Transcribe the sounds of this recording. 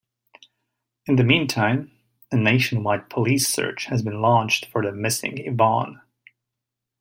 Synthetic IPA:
ɨ̃nðɨmĩntʰãɪ̃m | ɨneɪʃɨ̃nwaɪt̚pʰəlisɜ̰˞t͡ʃhɨzbɨ̃nlɔ̃nt͡ʃdfə˞ðɨmɪsɪ̰̃ŋɪbɑ̰̃n

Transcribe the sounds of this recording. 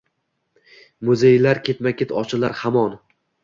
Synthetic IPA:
mʊzejlaɾkʲʰe̞t̪makʲet̪ʰɒt͡ʃʰɪlˠaɾhamɒn

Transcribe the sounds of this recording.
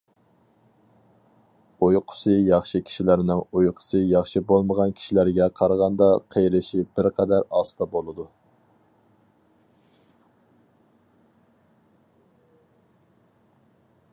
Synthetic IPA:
ojqʰʊ̥sɨjɑχʃikʲʰi̥ʃilæɾnɪŋojqʰʊ̥sɨjɑχʃibolˠməʁɑnkʲʰi̥ʃilæɾɡʲɛqʰɑɾʁɑnd̪ɑqʰejɾɪʃibɪɾqʰɛd̪æɾɑsɨt̪ɑbolˠɨd̪u

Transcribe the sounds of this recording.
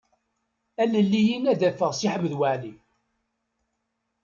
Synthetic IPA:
æləlːijinæðæfəʁsiħəmðwaʕli

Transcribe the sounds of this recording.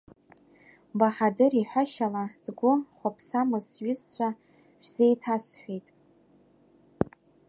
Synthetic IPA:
baħadɨriħʷaʃalaz̥ɡʷʊχʷapʰsamɨzɥɪst͡ɕʷʰa | ʃᶣʷz̥ejtʰasħʷᶣejtʼ

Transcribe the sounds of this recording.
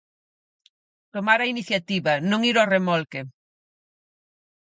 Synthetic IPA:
t̪omaɾɐiniθjat̪iβɐnõŋiɾoremɔlke

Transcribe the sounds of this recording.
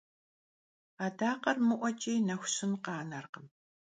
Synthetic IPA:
aːdaːqɐrmɨʔʷɔt͡ʃʼiːnɐxʷɕɪnqɑːnɐrqəm

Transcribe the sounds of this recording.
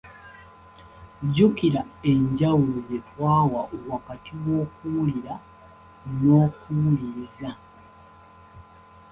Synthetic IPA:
ɟukiɾae̞ɲɟawulo̞ɟetwaːwaʔuwakatʰiwo̞ːkuwuliɾa | no̞ːkuwuliɾza

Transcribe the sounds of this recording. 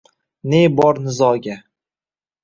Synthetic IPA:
nebɒɾnɪzɒɡʲa

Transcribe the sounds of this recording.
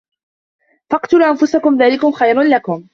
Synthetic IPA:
fɑqt̪ʊlːʔanfʊsakʊmðaːlɪkʊmxajɾnlakʊm

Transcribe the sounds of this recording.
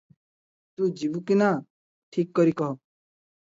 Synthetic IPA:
t̪uːd͡ʒibukina | ʈʰiːkːɔɾikɔɦ

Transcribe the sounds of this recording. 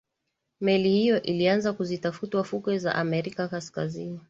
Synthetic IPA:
mɛlihijɔʔilianzakuzitafutwafukwɛza̰ʔamɛɾikakaskazini

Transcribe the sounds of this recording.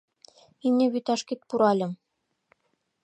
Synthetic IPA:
inʲnʲeβyt̪ɑʃkit̪̚puɾɑlʲɤ̆m

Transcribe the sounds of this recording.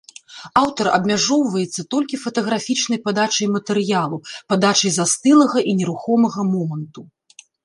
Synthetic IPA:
awt̪ɐɾɐ̰bmʲaʐɔwvɐjɛt̪sːɐt̪ɔlʲkʲifɐt̪ɐɣɾafʲit͡ʂn̪ɐjpad̪at͡ʂɐjmɐt̪ɛɾjalˠupad̪at͡ʂɐjzast̪ɨlˠɐɣɐʔinʲɛɾuxɔmɐɣɐmɔmɐnt̪u

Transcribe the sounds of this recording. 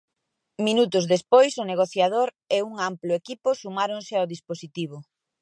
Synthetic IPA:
minut̪ʊzðespojsʊneɣ̞oθjaðoɾ | euŋamploekipʊsumaɾoŋsɪawðisposit̪iβ̞ʊ

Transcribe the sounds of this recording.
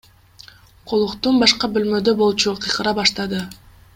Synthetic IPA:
qʰolˠuqt̪unbɑʃqɑbølmø̞d̪øbo̞lˠt͡ʃuqʰijqʰɯɾɑbɑʃt̪ɑd̪ɯ

